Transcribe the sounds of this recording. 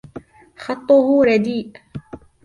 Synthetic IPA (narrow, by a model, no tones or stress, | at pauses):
xɑt̪ˤːʊhʊɾˤɑd̪iːʔ